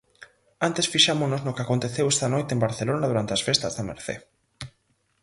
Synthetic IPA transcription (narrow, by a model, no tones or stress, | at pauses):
ant̪esfiʃamonoznokeakont̪eθewɛst̪ɐnojt̪embaɾθelonɐðuɾant̪eɐsfest̪ɐzðɐmḛɾθḛ